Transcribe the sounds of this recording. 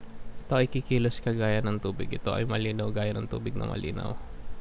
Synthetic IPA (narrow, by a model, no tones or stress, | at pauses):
ʔɪt̪oʔɪjkikiːloskɐɡaːjɐnɐŋt̪uːbɪɡ̚ʔɪt̪o̞ʔɐ̰jmɐliːnɐwɡaːjɐnɐŋt̪uːbɪɡ̚nɐ̰ŋmʔɐ̰lʔḭːnɐ̰w